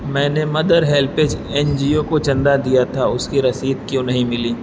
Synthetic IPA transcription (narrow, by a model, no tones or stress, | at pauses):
mɛ̃ːnemɐd̪əɾɦɛːlpeːt͡ʃɛːnd͡ʒiːokot͡ʃɐ̃nd̪ad̪ijat̪ʰaʊskiɾɐsiːd̪kjõnɐɦĩmɪliː